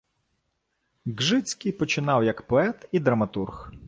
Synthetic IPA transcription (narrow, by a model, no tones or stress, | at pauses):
ɡʒɪt͡sʲkɪjpɔt͡ʃɪnɑwjɐkpɔɛt̪id̪ɾɐmɐt̪urx